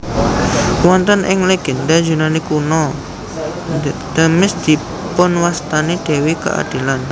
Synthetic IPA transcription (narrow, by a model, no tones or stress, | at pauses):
wɔnt̪ənʔɪ̰ŋleɡ̥ɛndad͡ʒunanikunɔ | d̪̥əmɪsd̪̥i̤ | pʊnwast̪aned̪̥e̤wika̰ʔa̰d̥i̤lan